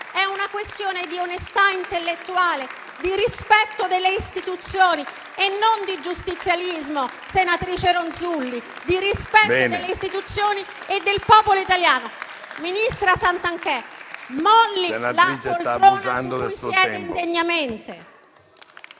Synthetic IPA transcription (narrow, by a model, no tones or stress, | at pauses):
ɛunakwest̪joːned̪ionest̪aint̪elːet̪ːuaːle | d̪irispɛt̪ːod̪elːeist̪it̪ut̪sːjoːni | enːond̪id͡ʒust̪it̪sːjalizmosenat̪ɾiːt͡ʃeɾonzulːi | d̪irispɛt̪ːod̪elːeist̪it̪ut̪sːjoːni | ed̪ːelpɔːpoloit̪aljaːno | minist̪ɾasant̪aŋkɛmɔlːilalɾoːnaijɛːd̪eiind̪eɲːament̪e